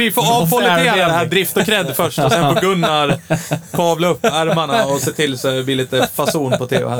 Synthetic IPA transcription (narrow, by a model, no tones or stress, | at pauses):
ɪfoːɑvfɔlːɪt̪eːad̪ɛhæːɖɾɪft̪ɔkʰɾɛd̪ːfœʂʈɔsɛnbəɡɵnːaɾkʰɑːvlaɵpːæɾmaɳaɔseːt̪ʰɪlːsɔɛblɪːliːt̪əfasuːnpʰɔt̪ʰḛːʊ̰hæ